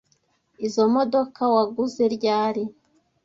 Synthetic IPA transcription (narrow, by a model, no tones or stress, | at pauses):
izo̞mo̞do̞kawaɡuze̞ɾɟaːɾi